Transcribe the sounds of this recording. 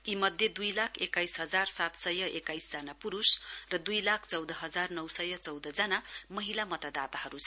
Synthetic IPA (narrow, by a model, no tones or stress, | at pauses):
imʌd̪ʱjʌd̪ujlakʰekajsɦʌd͡zarsat̪sʌjʌʔekajsd͡zanapuɾusrʌd̪ujlakʰt͡sʌwd̪ʌɦʌd͡zarnʌwsʌjʌt͡sʌwd̪ʌd͡zanamʌɦilamʌt̪ad̪at̪aɦʌɾut͡sʰ